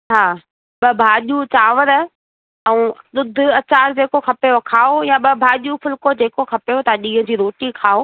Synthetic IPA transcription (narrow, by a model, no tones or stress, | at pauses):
ɦaː | ɓɐbʱaːʄut͡ɕaːʋəɾə̆ | ɛũɗ̪ʊd̪ʱʊɐt͡ɕaːɾd͡ʑeːkokʰɐpejokʰaːojaɓɐbʱaːʄufʊlkod͡ʑeːkokʰɐpejot̪ɐɗĩːɦə̃̆d͡ʑiːɾoːʈikʰaːo